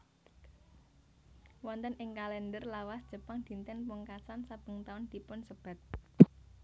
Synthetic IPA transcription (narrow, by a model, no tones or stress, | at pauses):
wɔnt̪ənʔɪŋkalɛndərlawasd̥ʒ̥ə̤paŋd̪̥i̤nt̪ɪnpuŋkasansab̥ə̤ŋt̪aʊnd̪̥i̤pʊnsəb̥a̤t̪̚